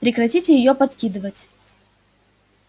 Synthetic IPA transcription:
pɾʲɪkɾɐtʲitʲɪjɪjopɐt̪kʲid̪ɨvətʲ

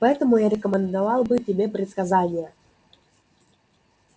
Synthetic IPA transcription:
pɐɛt̪əmujaɾɛkəmʲənd̪avɑlˠbɨtʲɪbʲepɾʲɪt̪skazanʲɪjə

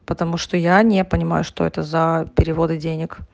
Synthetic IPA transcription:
pət̪ɐmuʂt̪ojanʲepənʲɪma̰jʊʂt̪oɛ̰t̪əzɐpʲɪɾʲɪvo̞d̪ɨdʲenʲɪk

